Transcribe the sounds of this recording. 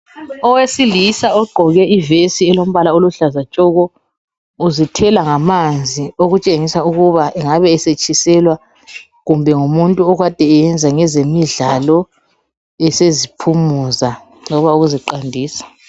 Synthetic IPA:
ɔwesilisaɔɡ͡ǃʱɔɣɛʔivesiɛlom̩βalaoluɬazat͡ʃʼɔɣɔ | uzitʰɛlaŋamand͡zʱioɣut͡ʃʼeŋisauɣuβaʔɛŋaβɛːset͡ʃʼisɛlwa | ɣumbʱɛŋumuntʼuɔɣwad̥ʱɛːjɛnd͡zʱaŋɛzemiɮalɔ | ɛsezipʰumuza | lɔβauɣuziǃandʱiːsḁ

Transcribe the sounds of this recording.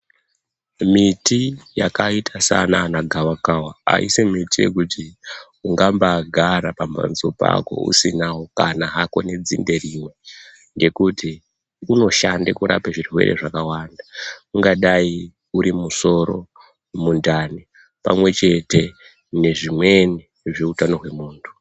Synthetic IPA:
mitijakaitʰasanaːnaɡʱawakawaa̰ḭsemitije̞̰kuti | uŋɡambaɡʱaɾapamba̰nzopa̰ko̞̰ṵsinawo̞kanaɦako̞ne̞d͡zinde̞rimwe̞ | ŋɡe̞kuti | uno̞ʃandekuɾa̰paʐirwe̞̰ɾḛʐakawandauŋɡaɗai | uɾimuso̞ɾo̞̰ | mundani | pamwe̞t͡ʃe̞te̞ | ne̞ʐimwe̞ni | ʐeutano̞ɦwe̞muːntʰu̥

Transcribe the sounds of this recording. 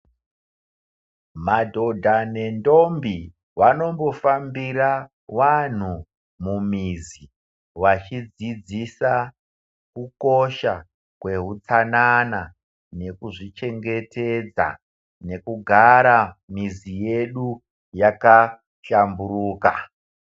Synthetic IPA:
madʱo̞dʱane̞ndo̞mbi | wano̞mbo̞fambira | wan̤u | mumizi | wat͡ʃid͡zid͡zisa | kuko̞ʃa | kwe̞ɦut͡sanana | ne̞kuʐit͡ʃe̞ŋɡe̞te̞d͡za̰ | ne̞kuɡʱaɾamizije̞ɗu | jaka | ɬamburuːka

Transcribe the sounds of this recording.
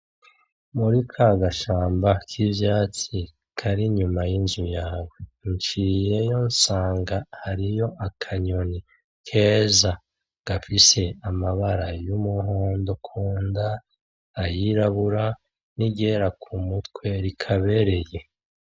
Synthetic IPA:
muɾikʰaɡaʃaːmbakʰivjaːt͡si | kʰaɾiɲumajinzujaːwent͡ʃije̞jo̞nsaːŋɡahaɾijo̞ʔakʰaɲo̞ni | kʰe̞ːza | ɡ̥afise̞amaβaɾajumuɦo̞ːndo̞kʰuːndaː | jiɾaβuɾa | niɟeɾakʰumutkwe̞ɾikʰaβe̞ɾe̞je̞

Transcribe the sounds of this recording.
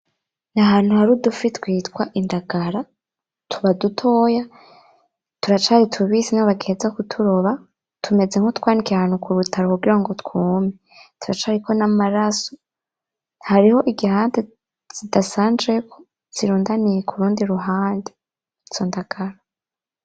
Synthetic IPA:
naɦaːn̥huhaɾudufitɡwiːtwaʔindaɡ̥aɾa | tʰuβadutʰo̞ːja | tuɾat͡ʃaːɾitʰuβiːsinaβaɡeːzakutʰuɾo̞βa | tʰume̞d͡zeŋhotkwaːnikiahaːnukuɾutʰaɾokuɡiɾaŋɡotkʰuːme | tuɾat͡ʃaɾiko̞namaɾaso̥ | haɾiho̞ʔiɡihaːnde | z̥idasaːnd͡ʒekʰo̥ | z̥iɾuːndanijekʰuɾuːndiɾuɦaːnde | iz̥ondaɡ̥aɾa

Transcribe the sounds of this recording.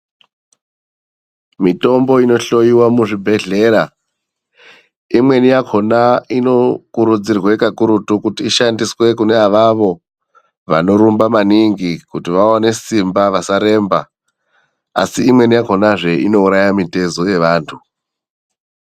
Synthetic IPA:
mito̞mbo̞ino̞ɬo̞iwamuʐibʱe̞ɮe̞ːɾa | imwe̞nijakʰo̞naino̞kuɾud͡zirwekakuɾutukutiːʃandiswe̞kune̞aʋaʋo̞ | ʋa̰no̞ɾumbamaniŋɡikutiʋawane̞simbaʋasaɾe̞ːmba̰ | a̰siːmwe̞nijako̞naʐe̞ino̞uɾajamite̞zo̞je̞ʋaːntʰu

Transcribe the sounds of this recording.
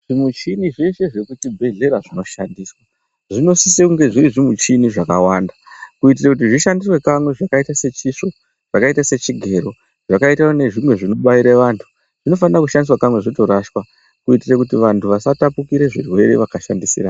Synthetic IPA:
ʐimut͡ʃiniʐe̞ʃe̞ʐe̞kutibʱe̞ɮe̞ɾaʐino̞ʃandiːswa | ʐino̞sisekuŋɡe̞ʐiɾiʐimut͡ʃiniʐakawaːndakuit̬irekut̬iʐiʃandiswe̞kamwe̞ʐakaitase̞t͡ʃiʂo̞ | ʐ̥akaitase̞t͡ʃiɡʱe̞ɾo̞ | ʐ̥akaitaone̞ʐimwe̞ʐino̞ɓaiɾeʋaːntʰu̥ | ʐ̥ino̞fanrakuʃandiswakamwe̞ʐito̞ɾaʃwa | kuitirekutiʋantʰuʋasatapukiɾe̞ʐirwe̞ɾeʋakaʃandisiraː

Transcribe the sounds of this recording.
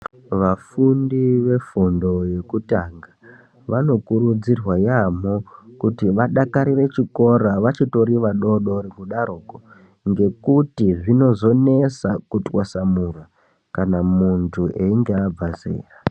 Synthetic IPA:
ʋafundiʋe̞fundo̞je̞kutaŋɡa | ʋano̞kuɾud͡zirwajamo̞kutiʋaɗakaɾire̞t͡ʃiko̞ɾaʋat͡ʃito̞ɾiʋaɗo̞ɗo̞ɾekuɗaɾoːko | ŋɡe̞kutiʐino̞zo̞ne̞sakutwasamura | kanamuntʰuʔeiŋɡeab͡vazḛːra

